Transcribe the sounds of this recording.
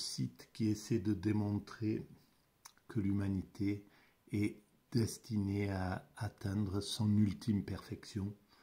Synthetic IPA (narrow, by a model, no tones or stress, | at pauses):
sit̪kʲiesɛd̪əd̪emɔ̃t̪χe | kʰəlymanit̪ʰe | ɛ | d̪̥ɛst̪ineaat̪ɛ̃d̪ʁəsɔ̃nylt̪ʰimpɛʁfɛksjɔ̃